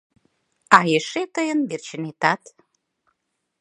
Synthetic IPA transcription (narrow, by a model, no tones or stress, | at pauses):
ɑjeʃet̪əjənbert͡ɕə̆net̪ɑt̪